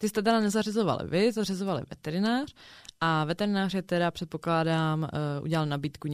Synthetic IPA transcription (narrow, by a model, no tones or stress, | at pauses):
t̪ɪst̪ɛt̪ɛdanɛzarɪzo̞va̰lɪ̰vɪzarɪzo̞valɪ̰vɛ̰t̪ɛɾɪnaːr̥ʔavɛt̪ɛɾɪnaːrjɛt̪ɛdapr̝̥ɛt̪̚po̞klaːdaːmʔṵɟɛlalnabiːt̪kuɲ